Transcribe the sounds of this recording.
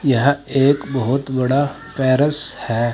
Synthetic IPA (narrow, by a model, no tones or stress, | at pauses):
jɐɦãeːkbɐɦʊt̪bɐɽa | pɛːɾəshɛː